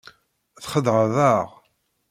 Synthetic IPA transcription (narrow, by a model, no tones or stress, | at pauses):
θχəd̪ʁəðˤəʁ